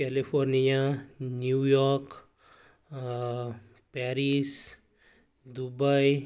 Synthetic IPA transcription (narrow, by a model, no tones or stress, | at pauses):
kɛlipʰoɾnijanjujɔɾk | paɾis | d̪ubaj